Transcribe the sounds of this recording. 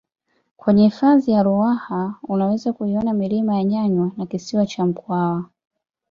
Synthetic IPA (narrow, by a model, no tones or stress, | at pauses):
kwɛɲɛifazijaɾuahaunawɛzakuiɔnamilimajaɲaɲwanakisiwat͡ʃam̩kwawa